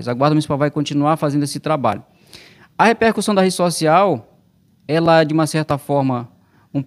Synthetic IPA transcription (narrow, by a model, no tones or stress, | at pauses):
zaɡwaɾd̪munisipawvajkõt͡ʃĩnuaɾfazẽnd̪ʊesɪt̪ɾaba̰ʎʊ | ɐhepeɾkusɐ̃w̃d̪ɐɦed͡ʒɪsosiaw | ɛlɐɛd͡ʒɪũmɐsɛɾt̪ɐfɔɾmɐ | ũp